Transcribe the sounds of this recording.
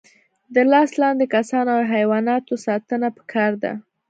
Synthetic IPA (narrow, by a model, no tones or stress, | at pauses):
d̪əlɑslɑnd̪ekasɑnoaɦajwɑnɑt̪osɑt̪ənapə̥kʰɑɾd̪a̰